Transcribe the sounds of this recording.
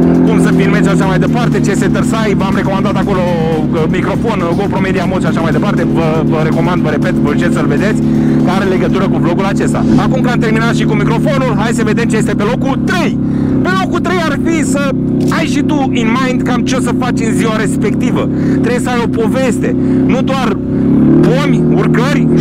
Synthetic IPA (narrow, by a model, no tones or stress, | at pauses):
kumsəpilme̞t̪t͡ʃ̪ʲaʃamajd̪e̞part̪e̞t͡ʃeset̪ərsajvəamɾe̞ko̞mand̪at̪ako̞lo̞ | əmikɾo̞fo̞n | opɾo̞me̞d̪iamoʃaʃamajd̪e̞part̪evə | vəɾe̞ko̞mand̪vəɾe̞pe̞t̪vəut͡ʃesəlved̪e̞t̪sʲ | kaɾele̞ɡət̪uɾəkuvlo̞ɡulat͡ʃe̞st̪a̰akumkɨamt̪e̞rminat̪ʃikumikɾo̞fo̞nulɦasəve̞d̪e̞mt͡ʃe̞jest̪e̞pe̞lo̞kult̪ɾe̞j | pe̞lo̞kult̪ɾe̞jarfisə | ajʃit̪u | inmajnd̪kamt͡ʃosəfat͡ʃɨnziwaɾe̞spe̞k̚t̪ivə | t̪ɾebjesəajo̞po̞ve̞st̪e̞ | nud̪oar | ponʲurkərʲ